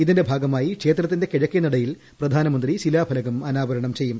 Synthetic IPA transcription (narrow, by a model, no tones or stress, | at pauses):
iðinde̞bʱaːɡɐmaːjikʂe̞ːt̪rɐt̪̬ːinde̞keɻɐkːinɐɽɐjil | prɐd̪ʱaːnɐmɐnd̪riɕilaːbʱɐlɐɣɐmɐnaːʋɐɾɐɳɐmt͡ɕe̞jːum